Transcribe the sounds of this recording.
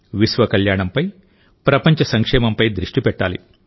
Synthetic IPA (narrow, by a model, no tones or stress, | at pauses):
ʋisʋɐkɐljaːɳɐmpɐj | pɾɐpɐɲt͡ʃɐsɐŋkʂɛːmɐmpɐjd̪ɾiʂʈipɛʈːa̰ːlḭ